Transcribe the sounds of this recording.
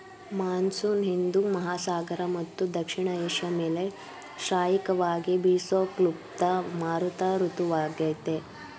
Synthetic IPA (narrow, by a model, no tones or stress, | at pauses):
maːnsuːnɦind̪umɐɦaːsaːɡɐɾɐmɐt̪ːud̪ɐkʂiɳɐeːʃjɐmeːle | ʃɾaːjikɐʋaːɡibiːsoːklub̚t̪ɐmaːɾut̪ɐɾut̪uʋaːɡɐt̪e